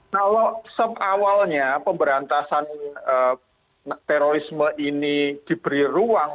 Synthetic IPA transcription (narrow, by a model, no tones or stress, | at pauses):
kalosəpawalɲapəmbəɾant̪asanə | t̪eɾoɾisməʔinid̪̥i̤b̥əɾiruaŋ